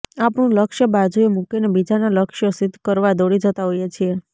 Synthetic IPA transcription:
apñũləkʃjəbad͡ʒʱuemũkinebid͡ʒanaləkʃjəsɪd̪ʱkəɾʋad̪oɽid͡ʒət̪aɦojet͡ʃʰie

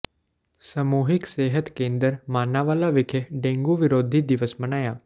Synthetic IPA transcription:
səmuːɦɪkseːɦət̪kẽːnd̪əɾmaːnaʋaːlaːʋɪkʰɖẽːŋɡuːʋɪɾoːd̪ʱid̪ɪʋəsbənaːjaː

